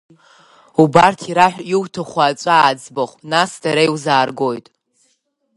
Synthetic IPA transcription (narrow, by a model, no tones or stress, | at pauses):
ubartʰiɾaħʷiwtʰaχʷaːt͡ʃʷʼaːd͡zbaχʷnasdaɾajwzaːrɡo̞jtʼ